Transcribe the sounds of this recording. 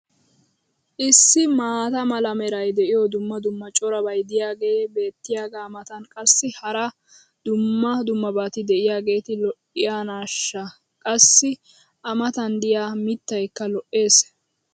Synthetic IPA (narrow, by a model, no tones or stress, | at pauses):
ʔɪsːɪmaːt̪ɐmɐlɐmɛɾɐjd̪ɛʔɪjɔd̪ʊmːɐd̪ʊmːɐt͡ʃʼɔɾɐbɐjd̪ɪjaːɡe̞ːbe̞ːt̪ːɪjaːɡaːmɐt̪ɐnkʼɐsːɪhɐɾɐ | d̪ʊmːɐd̪ʊmːɐbaːt̪ɪd̪ɛɪjaːɡe̞ːt̪ɪlɔʔɪjaːnaːʃːɐ | kʼɐsːɪ | ʔɐmɐt̪ɐnd̪ɪjaːmɪt̪ːɐjkːɐlɔʔːe̞ːs